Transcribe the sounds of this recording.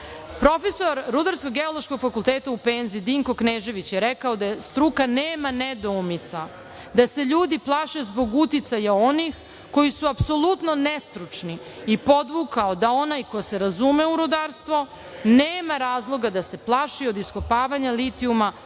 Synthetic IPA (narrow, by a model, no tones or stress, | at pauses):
pɾo̞fe̞so̞ɾːud̪aɾsko̞ɡeolˠo̞ʃko̞ɡfakulˠt̪eːt̪aupeːnziid̪iŋko̞kneːʒe̞ʋit͡ɕjeɾekaod̪aest̪ɾukaneːmaned̪oumit̪sa | d̪ase̞ʎuːd̪iplˠaʃezbo̞ɡut̪it̪sajao̞nix | ko̞jisuapso̞lˠut̪no̞nest̪ɾut͡ʂni | ipo̞d̪ʋukaod̪ao̞najkojse̞ɾazumeuɾud̪aɾst̪ʋo̞ | neːmaɾaːzlˠo̞ɡad̪ase̞plˠaʃio̞d̪iskopaːʋaɲalit̪iuma